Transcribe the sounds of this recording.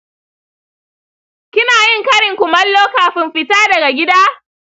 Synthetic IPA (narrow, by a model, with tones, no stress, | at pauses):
kʲɪ˦naː˨jɪ˦˨ŋkɐ˦ɽɪ˨ŋkʷʊ˨mɐ˦lːoː˦kaː˨ɸɪ˦mɸɪ˦taː˦dɐ˨ɡa˨ɡʲɪ˦daː˦